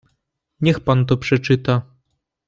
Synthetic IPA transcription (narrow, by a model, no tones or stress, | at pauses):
ɲɛxpant̪̬ɔpʂɛt͡ʂɘt̪a